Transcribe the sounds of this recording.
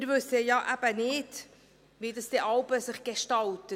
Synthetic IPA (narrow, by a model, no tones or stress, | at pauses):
ɪɾvɵsəjɑʔæb̥ənɪːd | ʋidɑsd̥ɛʔɑlbəsɪχɡ̥eʃtɑltə